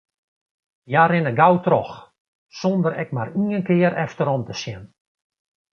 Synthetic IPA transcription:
jaɾɪnəɡawtrɔx | sondəɾɛk̚mariːənkɪːəɾɛftəɾɔmtəsjɛn

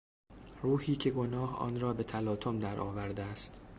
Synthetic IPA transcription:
ruːhiːcʰe̞ɡo̞nɒːhɒ̰ːnrɒːbe̞t̪ʰælɒːt̪ʰomd̪æɾʔɒ̰ːvæɾd̪eæst̪

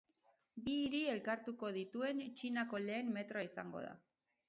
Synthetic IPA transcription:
biːɾie̞lkaɾt̪uko̞ð̞it̪ue̞nt͡ʃinako̞le̞ːmme̞t̪ɾo̞aisaŋɡo̞̰ð̞a̰

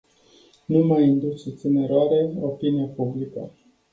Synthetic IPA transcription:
numajɨnd̪uut̪sineɾoaɾe̞opiniapublikə

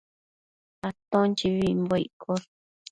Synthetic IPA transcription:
at̪õnt͡ʃiβimboḭkʰol

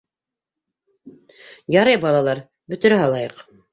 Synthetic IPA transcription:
jɑɾɤjbɑlˠɑlˠɑɾ | bɵ̆t̪ɘ̆ɾæɦɑlˠɑjɤq

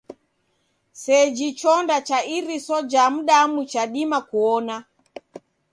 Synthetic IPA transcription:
sɛd͡ʒit͡ʃɔndat͡ʃaiɾisɔd͡ʒam̩ɗamut͡ʃaɗimakuɔna

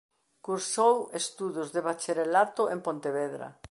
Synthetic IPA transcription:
kuɾsowest̪uðʊzðeβat͡ʃeɾelat̪oʔempõnt̪eβɛðɾɐ̰

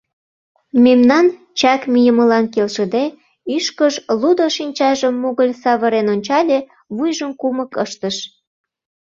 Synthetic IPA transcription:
memnɑn | t͡ɕɑkmijəməlɑnkelʃəd̪e | yʃkəʃlud̪oʃinʲt͡ɕɑʒəmːuɣəlʲsɑβəɾenonʲt͡ɕɑlʲe | βujʒəmkuməkəʃt̪əʃ

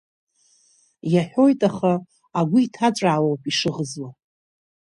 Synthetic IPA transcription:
jaħᶣo̞jtʼaχaː | ɡʷʊitʰat͡ʃʷʼaːwowpʼiʂɨʁəzwa

